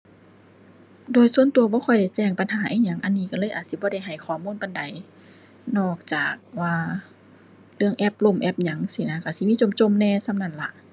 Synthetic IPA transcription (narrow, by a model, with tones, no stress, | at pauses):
doː˨˩jsu˧ənt̪u˧ɐbɔː˧˦kʰɔ˧˩jda˧˩jt͡ɕɛː˧˩ŋpa˧˨nɦaː˨˦ʔiː˧˨ɲa˧˦ŋʔa˧˨nːiː˧˩ka˧˩lɤː˧˥jʔaː˨t̪̚si˧˦bɔː˧ɾa˧˩jɦa˨˩jkʰɔː˨˦muː˧˥˨npa˧˨nda˨˦j | nɔː˧˩k̚t͡ɕaː˨˩k̚waː˧ | lɯ˧əŋʔɛ˧˩p̚lo˧˩˨mʔɛ˧˩p̚ɲa˨˦ŋsi˧˦na˧˨ka˧˩si˧˦miː˧˥˨t͡ɕo˧˩˨mt͡ɕo˧˥˨mnɛː˧˨sa˧˨mna˧˩˨nla˧˦ʔ